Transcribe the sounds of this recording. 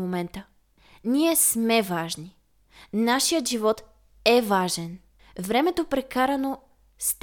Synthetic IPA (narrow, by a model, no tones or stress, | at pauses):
momɛnt̪ə | niɛsmɛvaʒni | naʃijət̪ʒivɔt̪ | ɛvaʒɛn | vɾɛmɛt̪opɾɛkaɾɐno | st̪